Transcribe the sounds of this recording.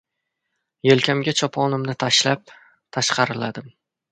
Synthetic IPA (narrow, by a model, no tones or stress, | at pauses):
jelkʲʰamɡʲat͡ʃʰɒpʰɒnɪmnɪt̪ʰaʃlap̚ | t̪ʰaʃqɑɾɪlad̪ɪm